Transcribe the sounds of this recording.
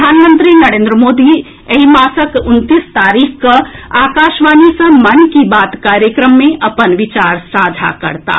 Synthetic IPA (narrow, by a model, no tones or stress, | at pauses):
pd̪ʱaːnmə̃nt̪ɾinɐɾẽːnd̪ɾəmoːd̪i | ɐɦimaːsəkʊnt̪ist̪aːɾiːkkɐaːkaːʃʋaːnisɐ̃mɐnkibaːt̪kaːɾjəkɾəmːẽʔɐpənʋɪt͡ʃaːɾsaːd̪ʱa̰kɐ̰ɾt̪a̰ː